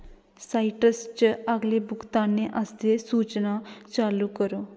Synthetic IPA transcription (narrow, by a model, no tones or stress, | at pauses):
saːɪʈəst͡ʃəɡleːbʊkt̪aːneʔəst̪eːsuːt͡ʃnaːt͡ʃaːlukəɾoː